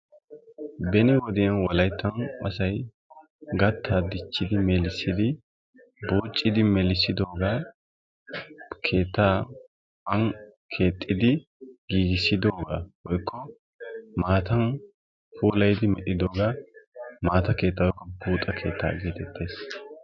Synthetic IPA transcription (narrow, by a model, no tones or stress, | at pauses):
bɛnɪwɔd̪ɪjɐnwɔlɐjt̪ːɐnʔɐsɐj | ɡɐt̪ːaːd̪ɪt͡ʃːɪd̪ɪmɛlɪsɪd̪ɪ | buːt͡ʃʼːɪd̪ɪmɛlɪsɪd̪o̞ːɡaː | kʰe̞ːt̪ːaː | ɐnkʰe̞ːt̪ʼːɪd̪ɪ | ɡ̥iːɡɪsɪd̪oːɡaːwɔjkʰːɔ | maːt̪ɐn | pʰuːlɐjd̪ɪmɛʔɪd̪o̞ːɡaːmaːt̪ɐke̞ːt̪ːɐwɔjkːɔbuːt̪ʼɐkʰe̞ːt̪ːa̰ːɡeːt̪ʰɛt̪ʰːe̞ːs